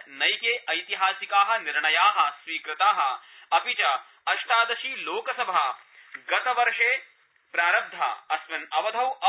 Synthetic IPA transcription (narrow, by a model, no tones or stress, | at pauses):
nɐjkeːʔɐjt̪iɦaːsikaːɦɐ̆niɾɳɐjaːɦɐ̆sʋiːkɾɪt̪aːɦɐɐpit͡ʃɐ | ɐʂʈʰaːd̪ɐʃiːloːkɐsɐbʱaː | ɡɐt̪ɐʋɐɾʂeː | pɾaːɾɐb̚d̪ʱɐ̰ɐsʋɐnɐʋɐd̪ʱɐwɐ